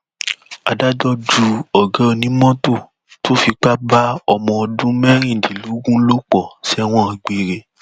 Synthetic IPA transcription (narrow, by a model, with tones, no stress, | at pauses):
a˨da˦dɔ˦d͡ʒu˧ɔ˨ɡã˨˦o˧nĩ˨˦mɔ̃˦to˦˨ | to˦fi˧k͡pa˦ba˦ɔ˧mɔ̃˧ɔ˧dũ˦mɛ˦ɾ̃ĩ˦˨di˨lu˨˦ɡũ˦lo˦k͡pɔ˦˨sɛ˦˧w̃ɔ̃˦ĩ˧ɡ͡be˧˨ɾe˧˦